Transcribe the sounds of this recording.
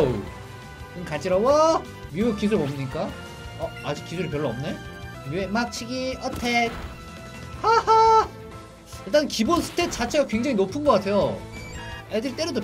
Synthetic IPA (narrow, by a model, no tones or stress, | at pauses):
kɯnkat͡ɕʰiɾawʌ | muekis̬ʰuɾpʌmɲik͈a | ʌad͡ʑik͈̚ːisʰuɾɯɭpjʌɭːʌʌmne | miemak̚t͡ɕʰiɡiʔʌtʰet̚ | haha | iɭt͈ankibonsʰɯ̥tʰet͡ɕ͈at͡ɕʰe̞ɡakwe̞ŋd͡ʑaŋinopʰɯnɡʌk͈atʰejo | edɯɾit͈e̞ɾodo